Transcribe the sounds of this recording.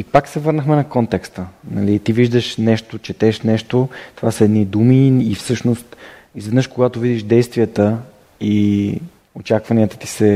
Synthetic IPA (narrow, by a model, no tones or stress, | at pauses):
ipaksɛvɤɾnəxmɛnɐkɔnt̪ɛkst̪ənɐlit̪iviʒd̪əʃnɛʃt̪ot͡ʃɛt̪ɛʃnɛʃt̪ot̪ovasəɛd̪nid̪umiːfsɤʃnost̪ | izvɛd̪nəʃkoɡat̪ovid̪iʃd̪ɛjst̪vijət̪ə | i | ot͡ʃakvɐniət̪ə̥t̪i̥sɛ